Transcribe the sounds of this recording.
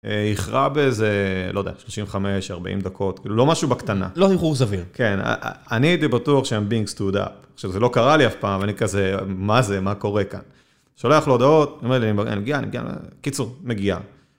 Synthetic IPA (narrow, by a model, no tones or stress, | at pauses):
eiχʁabezelod̪ḛja̰ʃloʃiɱveχame̞ʃaʁba̰ʔḭmd̪akʰo̞t̪kiːlulo̞maʃubakt̪ana̰lohiχuʁs̬aviʁkena̰anit̪ibatuaχʃeambiŋɡst̪ud̪a̰pχʃavzelokaʁaliafpaːmveanikazemazemako̞ʁe̞ka̰n | ʃoleaχloːd̪ao̞t̪niometliania̰nimeɡianḭmeɡia̰n̰kit͡suʁmeɡia̰